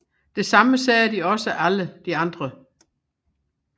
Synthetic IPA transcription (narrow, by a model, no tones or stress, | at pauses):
d̥e̝sɑ̈məsɛːd̥iɒ̽səʔæləd̥iɑ̈nd̥ʁɐ